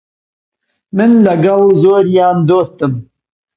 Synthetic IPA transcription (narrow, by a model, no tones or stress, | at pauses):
mɨnlɐɡɐlzoːɾjɑːnd̪oːst̪ɨm